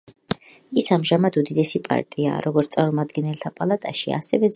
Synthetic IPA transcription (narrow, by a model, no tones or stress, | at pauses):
isamʒamad̪ud̪id̪ɛsipʼa̰ɾt̪ʼia̰ːɾʔɔɡɔt̪sʼaɾɔmad̪ɡɛnɛlt̪ʰapʼalˠat̪ʼaʃia̰sɛvɛ